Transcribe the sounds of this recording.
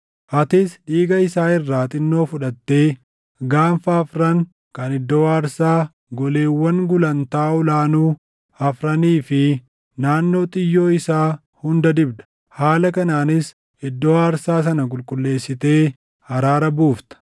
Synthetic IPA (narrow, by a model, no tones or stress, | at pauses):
ʔɐt̪ɪsᶑiːɡɐɪsaːɪrːaːt̪ʼɪnːo̞ːfʊᶑɐt̪ːe̞ː | ɡaːnfɐːfɾɐŋ | kɐnɪd̪ːoːaːɾsaː | ɡɔle̞ːwːɐŋɡʊlɐnt̪aːʊlaːnuː | ɐfɾɐniːfɪ | naːnːo̞ːt̪ʼɪjːo̞ːɪsaː | hʊnd̪ɐd̪ɪbd̪ɐ̥ | haːlɐkɐnaːnɪs | ɪd̪ːo̞ːaːɾsaːs̬ɐnɐk̬ʼʊlkʼʊlːe̞ːsːɪt̪e̞ː | hɐɾaːɾɐbuːft̪ɐ̥